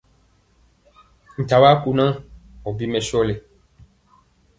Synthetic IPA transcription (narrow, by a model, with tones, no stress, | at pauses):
ŋ̩˨ta˨wa˦ku˧nã˦ɔ˨bi˦mɛ̃˨sɔ˦le˨